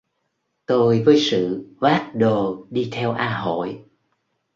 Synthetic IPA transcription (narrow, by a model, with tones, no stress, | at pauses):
t̪o˧jvəː˨˦jsɨ̰˧˨vaː˦˥t̚ɗo˨˩ɗi˧t̪ʰɛ˧wʔaː˧ɦo̰˧˨j